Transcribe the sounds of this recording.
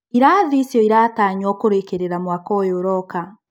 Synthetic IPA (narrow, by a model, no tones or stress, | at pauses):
iɾaːðisjɔiɾaːtaːɲwɔkoɾekeɾeɾamwakɔjoɾɔka